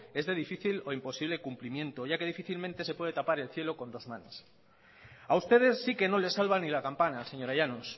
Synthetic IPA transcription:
e̞zðe̞ð̞ifiθilo̞impo̞siβle̞kumplimjẽ̞nt̪o̞ʝake̞ð̞ifiθilmẽnt̪e̞se̞pwe̞ðe̞t̪apaɾe̞lθje̞lo̞kõ̞nd̪o̞zmãnos | aust̪e̞ðe̞sːike̞no̞le̞salβanilakampanase̞ɲo̞ɾaʝanos

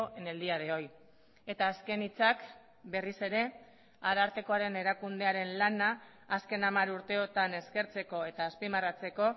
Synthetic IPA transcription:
ene̞ld̪iaðeo̞j | e̞t̪aːske̞nit͡sak | be̞rise̞ɾe̞ | aɾaɾt̪e̞ko̞aɾe̞ne̞ɾakund̪e̞aɾe̞nlanaː | ske̞namaɾuɾt̪e̞o̞t̪ane̞ske̞ɾt͡se̞ko̞e̞t̪aːspimarat͡se̞ko̞

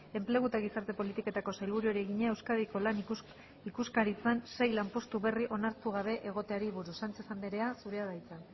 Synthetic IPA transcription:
e̞mple̞ɣ̞ut̪aɣ̞isaɾt̪e̞po̞lit̪ike̞t̪ako̞sajlβuɾuoɾeɣiɲae̞wskaðiko̞lan | ikuskaɾit͡sanse̞jlampo̞st̪uβe̞riʔo̞naɾt̪uɣ̞aβ̞e̞ʔeɣ̞o̞t̪eaɾiβuɾusant͡sesand̪eɾe̞asuɾe̞aðajt͡sa

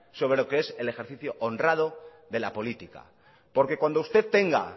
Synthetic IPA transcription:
so̞βɾe̞lo̞ke̞e̞sele̞xe̞ɾθiθjo̞ʔondrað̞o̞ | ðe̞lapo̞lit̪ika̰ | po̞ɾke̞kwand̪oust̪e̞ðt̪e̞ŋɡa̰

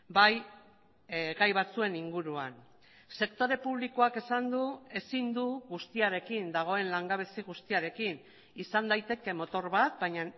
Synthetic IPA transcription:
baj | ɣajβat͡sue̞niŋɡuɾua̰n | se̞kt̪o̞ɾe̞puβ̞liko̞ake̞sand̪ue̞sind̪uɣust̪iaɾe̞kind̪aɣ̞o̞e̞nlaŋɡaβ̞e̞siɣust̪iaɾe̞kin | isand̪ajt̪e̞ke̞mo̞t̪o̞ɾβat̪̚baɲa

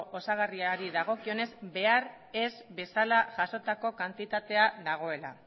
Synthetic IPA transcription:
ʔosaɣ̞ariaɾiðaɣ̞o̞kio̞ne̞zbe̞aɾ | e̞zbe̞salaʝaso̞t̪ako̞kant̪it̪at̪e̞aðaɣ̞o̞e̞la̰

